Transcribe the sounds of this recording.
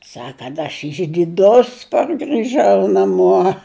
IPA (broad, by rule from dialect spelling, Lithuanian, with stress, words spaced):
ˈsɐk kɐt ɐʃ ɪʒʲdʲɪˈdʊs pɐrʲɡʲɪˈʒɐʊ nɐˈmuɔ